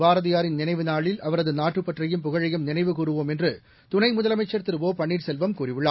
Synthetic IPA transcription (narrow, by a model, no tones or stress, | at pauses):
baːɾɐðɪjaːɾɪnnɪnɐɪʋɯnaːɭɪlʔɐʋɐɾɐðɯnaːʈrɯpːɐʈrɐjɯmpʊɣɐɻɐjɯmnɪnɐɪʋɯkuːrɯʋoːmɛndrɯ | t̪ʊnɐɪmʊðɐlɐmɐɪt͡ʃːɐɾt̪ːɪɾɯʋoːpɐɳːiːʈsɛlʋɐmkuːrɪʋɯɭːaː